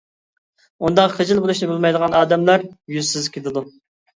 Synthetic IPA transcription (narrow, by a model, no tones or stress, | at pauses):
und̪ɑqχəd͡ʒilˠbolˠuʃnɪbulˠmɑjd̪əʁɑnɑːd̪ɛmlˠɑɾjyzsɪzkʲʰed̪ɨd̪u